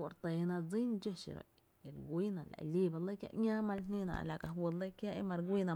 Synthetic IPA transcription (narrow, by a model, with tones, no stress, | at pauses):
o˨ɾt̪e˨nã˧d͡zi˦nd͡ʒə˦ʃḭ˨ɾo̰˧˨ | e˨ɾɡʷi˦nã˨ʔla̰˨ʔli˦ba˧˨lə˦kja̰˦ʔɲã˦mã˧lnnĩ˦nã̰˨ʔla˨ka˧ɦwə˧lə˦kja˦ʔe˧mã˧ɾɡʷi˦nã˧